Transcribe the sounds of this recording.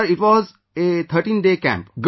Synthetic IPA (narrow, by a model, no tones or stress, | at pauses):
ɾɪʈʋɔːz | et̪ʰəɾʈĩːnɖeːkæ̰̃mpɡ